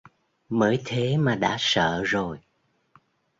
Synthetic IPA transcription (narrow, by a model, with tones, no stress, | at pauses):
məː˨˦jt̪ʰe˨˦maː˨˩ɗa̰ː˧˥sə̰ː˧˨zo˨˩j